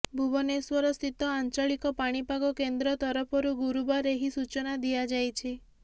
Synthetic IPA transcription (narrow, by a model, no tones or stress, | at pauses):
bʱubɔneswɔɾɔst̪it̪ɔant͡ʃɔɭikɔpaɽ̃ipaɡɔkend̪ɾɔt̪ɔɾɔpʰɔɾuɡuɾubaɾeɦisut͡ʃɔnad̪iad͡ʒajt͡ʃʰi